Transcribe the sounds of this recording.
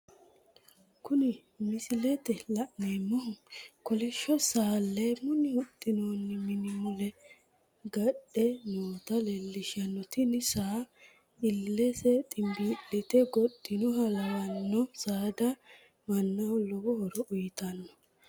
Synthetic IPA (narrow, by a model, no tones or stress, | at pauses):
kʊnɪ | mɪsɪlɛt̪ɛlɐʔnemːɔhʊkɔlɛʃɔsaːlːɛmʊnɪhʊt̪ʼːɪnoːnːɪmɪnɪmʊlɛ | ɡɐɗɛnoːt̪ɐlɛlːɪʃɪɐnːɔt̪ɪnɪsaː | ɪlːɛsɛt̪ʼɪmbiːɗɛt̪ɛɡɔɗ̪ʼːɪnʊɦɐlɐwɐnːɔsaːd̪ɐ | mɐnːɐwlɔwɔhɔɾɔʔʊjɪt̪ɐnːɔ